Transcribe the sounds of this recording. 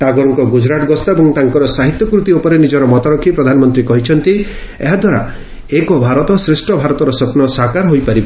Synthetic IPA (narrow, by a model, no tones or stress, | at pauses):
ʈaɡɔɾɔŋkɔɡud͡ʒɾaʈɡɔst̪aebɔŋt̪aŋkɔɾɔsaɦit̪jɔkɾut̪iopɔɾenid͡ʒɔɾɔmɔt̪aɾɔkʰːipɾɔd̪ʱanɔmɔnt̪ɾikɔɦit͡ʃʰɔnt̪i | eɦad̪ʱwaɾa̰ | ekɔbʱaɾɔt̪ɔsɾesʈɔbʱaɾɔt̪ɔɾɔsɔpnɔsakaɾɦojpaɾib